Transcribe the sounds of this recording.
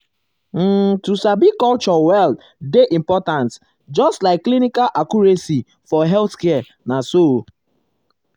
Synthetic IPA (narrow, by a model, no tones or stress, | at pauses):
m̩tusabikɔlt͡ʃɔwɛld | deʔĩmpɔtãnt | d͡ʒɔstlaɪkːlinikalʔakuɹesi | fɔɦɛlθkɛ | naso